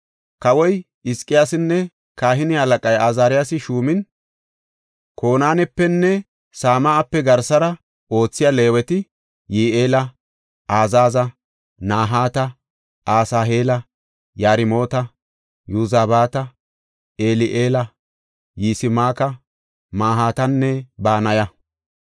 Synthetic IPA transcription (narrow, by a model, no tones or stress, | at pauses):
kɐwɔj | ɪskʼːɪjaːsɪnːɛ | kaːɦɪnɪhɐlɐkʼɐjaːzaːɾɪjasɪʃuːmɪn | kʰo̞ːnaːnɛpːɛnːɛ | saːmaːpːɛɡɐɾsɐɾɐ | o̞ːt͡sːɪjaːle̞ːwɛt̪ɪ | jiːʔeːlɐ | aːzaːzɐ | naːɦaːt̪ɐ | ʔaːsaːɦeːlɐ | jaːɾɪmo̞ːt̪ɐ | juzaːbaːt̪ɐ | eːlɪʔeːlɐ | jiːsɪmaːkɐ | maːɦaːt̪ɐnːɛbaːnɐjɐ